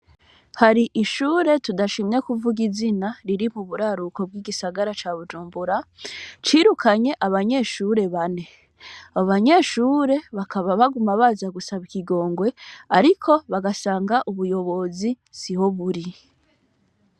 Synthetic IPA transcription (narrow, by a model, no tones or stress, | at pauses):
haɾiʔiʃuːɾe̞tudaʃimɲekuvuɡizinaɾiɾimuβuɾaɾuko̞b̚ɡwiːɡisaɡaɾat͡ʃaːβud͡ʒuːmbuɾat͡ʃiːɾukʰaɲe̞ʔaβaɲe̞ːʃuɾe̞βane̞ | aβoβaɲe̞ːʃuːɾe̞βakʰaβaβaɡumaβazaɡusaβikiɡo̞ːŋɡwe̞aɾikʰo̞βaɡasaːŋɡaʔuβujo̞βo̞zi | siho̞βuɾi